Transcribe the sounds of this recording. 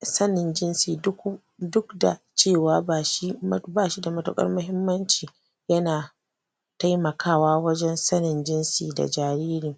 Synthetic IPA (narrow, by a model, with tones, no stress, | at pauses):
sɐ˦nɪ˨nd͡ʒɪ˦nsiː˨dʊ˦ku˦ | dʊ˦kda̰˨ | t͡ʃeː˦˨waː˦baː˨ʃi˦m˦baː˦˨ʃi˦da˨mɐ˨˦tʊ̰˦kʼɐ̰˦rmʊ˦ɦɪ˦mːɐ˦nt͡ʃiː˨ | jɐ˦naː˨ | ta˦jmɐ˨kaː˦waː˦wɐ˦d͡ʒɛ˦nsɐ˦nɪ˨nd͡ʒɪ˦nsḭː˨da̰˨d͡ʒaː˨ɾiː˦ɾɪ˨ŋ